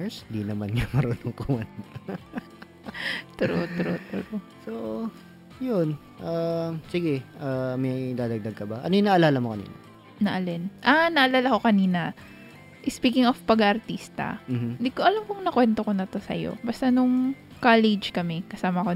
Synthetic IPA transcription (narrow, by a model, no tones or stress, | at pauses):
shɪnd̪iːnɐmanɲɐmɐɾʊnoŋkɐwɐn | t̪ɾo̰t̪ɾo̰t̪ʊɾoso | jon | ʔasɪɡɛʔamɐjd̪aːd̪ɐɡ̚d̪ɐɡ̚kɐbaʔɐ̰nojʊŋnɐʔɐlaːlɐmokɐnḭːnɐ̰ | nɐʔɐlɛnʔanɐʔɐlaːlɐko̞kɐniːnɐ | ʔɪspiːkɪŋofpɐɡɐʔɐɾt̪iːst̪ɐ̰m̩ːh̩lɪɡ̚kːoʔɐlamkoŋnɐkwɛnt̪oko̞nɐt̪o̞sɐ̰jo̰bɐst̪anʊŋ | kalɪd͡ʒkɐmɛkɐsaːmɐko